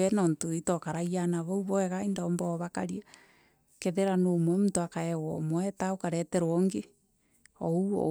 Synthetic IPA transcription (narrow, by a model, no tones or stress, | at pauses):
ɛnɔntoitɔkaɾaianaβɔuβɔɛɣaendambɔβakaɾia | keðeɾanomwɛmutoakaɛwɔmwɛtaokaɾɛtɛɾwɔŋɡe | ɔuɔ̰